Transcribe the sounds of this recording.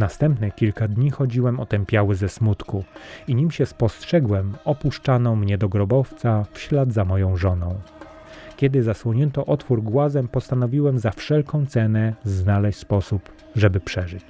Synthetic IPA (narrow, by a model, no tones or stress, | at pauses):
nast̪ɛmpnɛkʲilkad̪ɲixɔd͡ʑiwɛmɔt̪ɛmpʲjawɘzɛsmut̪kuiɲimɕɛspɔstʂɛɡwɛmɔpuʂt͡ʂanɔmɲɛd̪ɔɡɾɔbɔft̪safɕlad̪zamɔjɔ̃w̃ʐɔnɔ̃w̃ | kʲjɛd̪ɘzaswɔɲɛnt̪ɔʔɔt̪fuɾɡwazɛmpɔst̪anɔvʲiwɛmzafʂɛlkɔ̃w̃t̪sɛnɛznalɛɕʲspɔsup | ʐɛbɘpʂɛʐɘt͡ɕ